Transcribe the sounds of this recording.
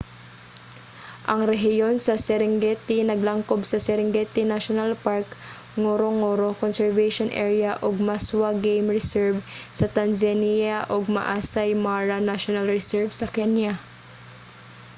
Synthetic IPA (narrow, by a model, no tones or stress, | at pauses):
ʔɐŋɾɛɦɪjo̞nsɐsɛɾɪŋɡɛt̪ɪnɐɡlɐŋkobsɐsɛɾɪŋɡɛt̪ɪnaʃonalpaɹk | ŋoɾoŋoɾokonsɛɹvaʃonʔɛ̰ɹjaʔoɡ̚maswaɡejmɹɛsɛɹvsɐt̪anzanijaʔoɡ̚mɐ̰ʔaːsajmaɹanaʃonalɹɛsɛɹvsɐkɛnja